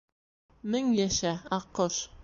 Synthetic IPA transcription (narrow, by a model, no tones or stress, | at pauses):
mɘŋjæʃæɑqoʃ